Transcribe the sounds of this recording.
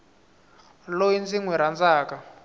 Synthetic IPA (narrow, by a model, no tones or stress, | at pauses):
lojind͡ziŋwɛɾand͡zaːka